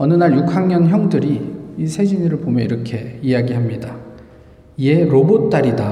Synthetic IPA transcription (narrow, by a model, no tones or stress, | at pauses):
ʌnɯnaɾjukʰhaŋɲʌnçjʌŋdɯɾiːsʰe̞d͡ʑiniɾɯɭbomjʌiɾʌkʰe̞iaɡiɦamɲida | ie̞ɾobot͈ːaɾida